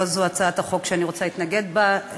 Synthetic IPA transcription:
zoat͡saat̪haχo̞kʃeaniʁo̞t͡salit̪naɡe̞d̪ba

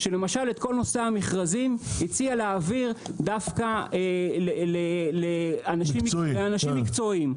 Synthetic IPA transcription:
ʃe̞lemaʃale̞t̪̚ko̞lno̞seamiχʁazimhit͡sialeːviʁd̪afkaeleleleanaʃimleanaʃimːikt͡so̞im

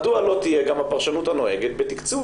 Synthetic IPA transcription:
dualo̞t̪ijeɡamhapaʁʃanut̪hano̞e̞ɡet̪̚bet̪ikt͡su

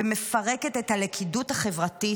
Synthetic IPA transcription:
eme̞fɐʁeketethalekʰiduthaχe̞vʁati

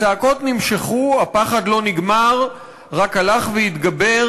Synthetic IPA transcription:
taːko̞t̪nimʃeχuapaχadlo̞niɡmaʁ | ʁakalaχveit̪ɡabe̞

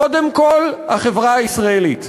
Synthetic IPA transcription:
od̪emko̞lhaχevʁaaisʁaelit

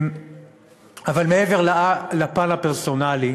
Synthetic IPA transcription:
m | avalmeeveʁlalapanapeʁsonali

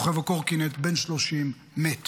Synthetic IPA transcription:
χevakoʁkinet̪benʃloʃimː | et

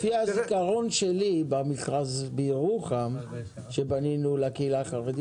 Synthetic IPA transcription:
fiazikaʁonʃelibamisʁazbiʁuχam | ʃebaninulakeilaχaʁed̪i

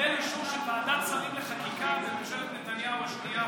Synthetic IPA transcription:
eniʃuʁʃelvaːdamsaʁimleχatikazemoʃevet̪net̪anjauaʃtia

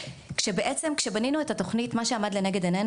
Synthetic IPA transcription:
kʃe̞beʔet͡semkʃe̞baninuetato̞χnitmaʃe̞amadleneɡe̞dene

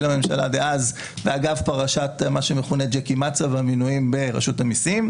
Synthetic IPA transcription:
lame̞mʃala̰deʔaz | veaɡavpaʁaʃatmaʃemeχuned͡ʒekimat͡savaminuimbe̞ʁa̰ʃutamisim

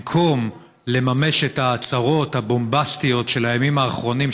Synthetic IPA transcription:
kʰom | le̞mame̞ʃe̞taːt͡saʁo̞thabo̞mbastijo̞tʃe̞lajamimaːχʁo̞nim

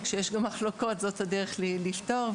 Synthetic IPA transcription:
kʃejeʃɡamːaχloko̞tzo̞tadeʁeχlilifto̞ʁ

